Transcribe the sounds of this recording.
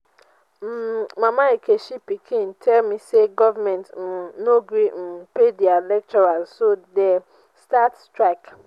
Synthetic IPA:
m̩mãmãekʰeʃipikʰĩn̩tʰɛlmĩseɡɔvamɛ̃ntn̩noɡɾin̩pedialɛk̚tɔɾalsodɛ | stattɾak

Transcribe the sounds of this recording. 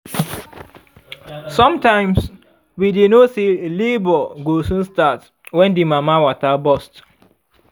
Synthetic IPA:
sɔ̃mtãɪ̃ms | widenoselebɔɡosũnstat | wɛ̃ndimamawatabɔst

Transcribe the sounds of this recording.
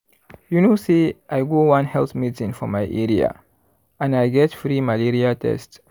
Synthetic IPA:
junoseʔajɡowãnhɛlθmidsĩnfɔmajʔɛɾia̰ | ʔãnajɡɛtfɾimaliɾiatʰɛ̰st

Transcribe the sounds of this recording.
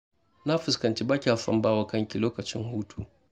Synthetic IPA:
nafiskantibakʲialfa̰mbawakaŋkilɔkat͡ʃuŋhutʰu

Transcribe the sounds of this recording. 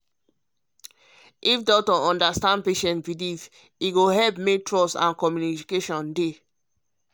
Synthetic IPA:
ʔifdɔk̚tɔɔ̃ndastãndpeʃɛ̃ntbidif | iɡoɦɛlpmek̚tɹɔsã̰nkɔmjunikeʃɔ̃nde

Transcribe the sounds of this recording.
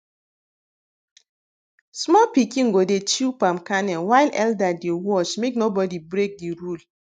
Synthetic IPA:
smɔlpikĩŋ̩ɡodet͡ʃipamkanɛlwajlɛ̰ldadewɔt͡ʃmeknobɔdibɾek̚diɾul

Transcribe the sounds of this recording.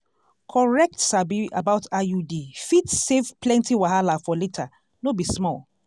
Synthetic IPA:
kʰɔɹɛk̚tsabia̰baʊtajudifitsevplɛ̃ntiwaɦalafɔletʰa | nobismɔl

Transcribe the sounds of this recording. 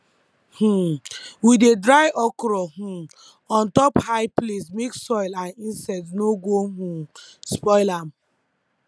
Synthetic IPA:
h̩widedɾaɪʔɔkɔɾɔɦũ | ɔ̃ntɔphaɪplesmeksɔɪlãnĩnsatnoɡoɦũspɔɪlam

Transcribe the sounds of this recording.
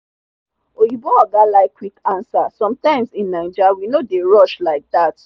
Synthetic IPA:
ojibɔɔɡalaɪkːwikãnsasɔ̃mtãɪ̃msĩnːaɪd͡ʒawinodeɹɔʃlaɪk̚d̪at

